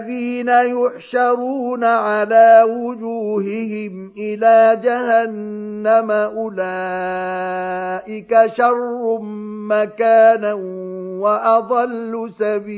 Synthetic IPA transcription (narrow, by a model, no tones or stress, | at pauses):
ðiːnajʊħʃɑɾˤuːnaʕalaːwʊd͡ʒuːɦɪhɪm | ʔɪlaːd͡ʒahanːamaʔʊlaː | ʔɪkaʃɑrˤːmakaːnawaʔɑd̪ˤɑlːʊsabiː